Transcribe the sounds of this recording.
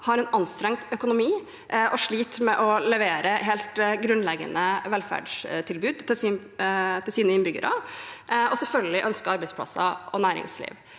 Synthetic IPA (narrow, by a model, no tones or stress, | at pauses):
hɑɾɛnɑnst̪ɾɛŋt̪œkʊnʊmiː | ʔʔɔʂɭiːt̪mɛʔɔlɛʋeːɾəɦeːlt̪ɡɾʉnlɛɡə̰nəʋɛlfæ̰ɖʂt̪ʰɪlbʉːd̪t̪ʰɪls | t̪ʰɪlsiːnəɪnbʏɡə̰ɾʔɑ | ʔɔsɛlfœlɡɪlɪʔœnskəɑɾbæɪspʰlɑ̰sɑ̰ɔnæːɾɪ̰ŋslḭːʋ